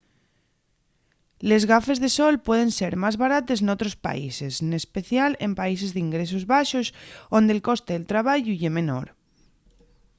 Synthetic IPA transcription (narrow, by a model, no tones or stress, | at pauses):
le̞zɣafe̞zðesolpweð̞ẽ̞nse̞ɾmazβaɾat̪e̞znot̪ɾospa̰ise̞snespeθjale̞mpais̬e̞zðiŋɡɾes̬ozβaʃosond̪elko̞st̪eðelt̪ɾaβ̞aʝuʝemẽnoɾ